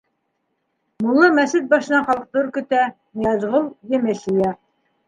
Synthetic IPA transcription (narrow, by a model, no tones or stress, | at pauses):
mulˠːɤmæsɘt̪̚bɑʃɤ̆nɑɴχɑlˠɤq̚t̪oɾkɵ̆t̪æ | nijɑzʁolˠjɘ̆mɘʃijɑ